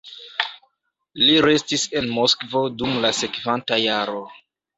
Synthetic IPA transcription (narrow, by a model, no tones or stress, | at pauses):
liɾe̞stise̞nmo̞skvo̞dumlase̞kvantajaɾo̞